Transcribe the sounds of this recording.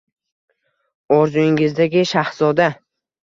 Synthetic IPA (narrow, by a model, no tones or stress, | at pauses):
ɒɾzʊɪŋɪzd̪aɡʲɪʃaχzɒd̪a